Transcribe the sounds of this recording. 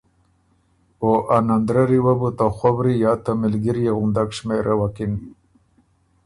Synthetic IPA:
oʔanand̪ɾaɾiwabut̪axwabɾijaːt̪amɪlɡiɾjeɣund̪akʂmeɾʔawakin

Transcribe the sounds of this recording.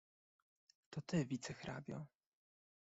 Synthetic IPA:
t̪ɔt̪ɘvʲit̪sɛxɾʔa̰bʲjɔ̰

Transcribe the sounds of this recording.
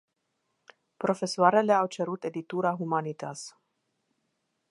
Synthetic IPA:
pɾo̞fe̞soaɾele̞awt͡ʃeɾut̪e̞d̪it̪uɾaɦumanit̪as

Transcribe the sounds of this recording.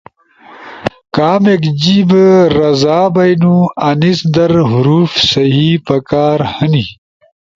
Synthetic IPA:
kaːmekd͡ʑiːbɾɐzaːbɐjnũɐnisd̪ɐɾɦuɾuːfsɐɦipɐkaːɾhɐni

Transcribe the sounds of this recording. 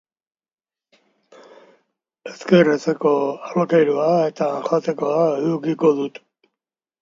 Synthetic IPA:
eskeret͡seko̞alkejɾuaet̪aʝat̪eko̞aeuɾkiko̞ðut̪

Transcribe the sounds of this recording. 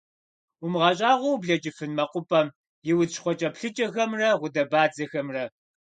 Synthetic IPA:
ʊmʁɐɕʼaːʁʷɔwbɮɐd͡ʒɪfɨnmɐqʷʊpʼɐm | jɪwʊʃχʷɔt͡ʃʼɐpɬɨt͡ʃʼɐxɐmrɐʁʷʊdɐbaːd͡zɐxɐmrɐ

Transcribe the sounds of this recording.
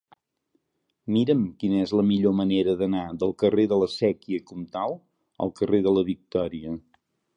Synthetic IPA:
miɾəmkinəɛzləmiʎoməneɾəðənaðəlˠkəreðələsɛkiəkɔmt̪alˠ | ə̰lˠkəreðələβik̚t̪ɔɾiə

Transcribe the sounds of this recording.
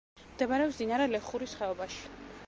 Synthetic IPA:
md̪̥ɛmaɾɛɔpsd̪inaɾɛlɛχuɾisχɛɔbaʃi̥

